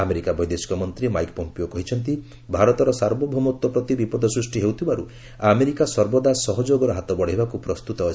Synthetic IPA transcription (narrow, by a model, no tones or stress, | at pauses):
ameɾikabʱɔjd̪esi̥kɔmɔnt̪ɾimajkpɔmpiokɔɦit͡ʃʰɔnt̪̬i | bʱaɾɔt̪ɔɾɔsaɾbɔbʱɔmɔt̪ːɔpɾɔt̪ibipɔd̪ʱɔsɾusʈiɦewt̪ʰibaɾu | ameɾikasɔɾbɔd̪asɔɦɔd͡ʒoɡɔɾɔɦat̪ɔbɔɽ̤aibakupɾɔst̪ut̪ɔ